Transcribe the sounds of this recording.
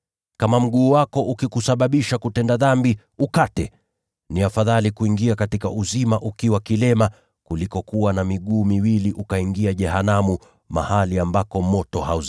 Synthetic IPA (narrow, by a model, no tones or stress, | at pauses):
kamam̩ɠuːwakɔʔukikusaɓaɓiʃakutɛndaðambi | ukatɛ | niafaðalikuiŋɡiakatikaʔuzimaʔukiwakilɛma | kulikɔkuwanamiɠuːmiwiliʔukaiŋɡiaʄɛhanamu | ma̰haliambakɔmɔtɔhauz